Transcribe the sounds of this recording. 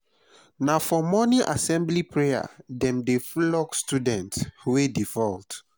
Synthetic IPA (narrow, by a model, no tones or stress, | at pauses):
nafɔmɔniʔa̰sɛ̃mblipɹeja̰dɛ̃mdeflɔkstudɛ̃ntwedifɔlt